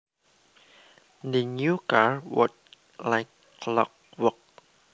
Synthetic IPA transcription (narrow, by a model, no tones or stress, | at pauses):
dənjukaɹwɔ̰t̚ | laɪkː | lɔ̰k̚wɔk̚